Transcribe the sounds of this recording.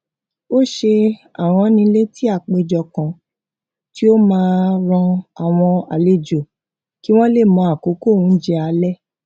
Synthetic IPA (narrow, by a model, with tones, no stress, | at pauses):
o˦˨ʃe˧a̰˨ɾ̃ɔ̃˧nĩ˧le˦ti˦a˦˨k͡pe˧d͡ʒɔ˨kã˨ | ti˦o˦mãː˧˦˧ɾ̃ɔ̃˧a˨w̃ɔ̃˧a̰˨le˨d͡ʒo˨ | ki˦w̃ɔ̃˦le˦˨mɔ̃˧a˨ko˨˦ko˦˨wũ˨˦d͡ʒɛ˧a˧lɛ˦˨